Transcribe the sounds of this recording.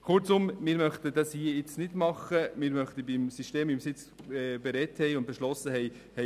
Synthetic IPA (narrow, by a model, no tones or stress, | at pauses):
χʊɾt͡sʊmmɪːɾmœχtədɑshiəɪt͡snɪdmɑχəmɪːɾmœχtəbimsiʃteːmimsɪt͡sː | beɾɛthɛɪʊnd̚b̥ɛʃlɔsːəɦɛɪ | hɛ